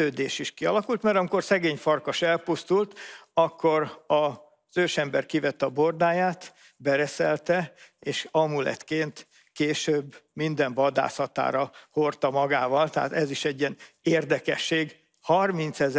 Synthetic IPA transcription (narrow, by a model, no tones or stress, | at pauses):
øːd̪eːʃiʃkiɒlɒkult̪mɛɾɒmiko̞rsɛɡeːɲfɒrkɒʃɛlpust̪ult̪ɒkːoɾɒ | z̥øːʃɛmbɛrkivɛt̪ːɛɒbord̪aːjaːt̪ | bɛɾɛsɛlt̪ɛeːʃɒmulɛ̰t̪keːnt̪ | keːʃøːbːmind̪ɛɱvɒd̪a̰ːsɒt̪a̰ːɾɒhort̪ɒmɒɡaːvɒlt̪ɛɦa̰t̪ɛziʃɛɟːiɛneːrd̪ɛkɛ̰ʃːeːɡ | hɒrmint̪sɛz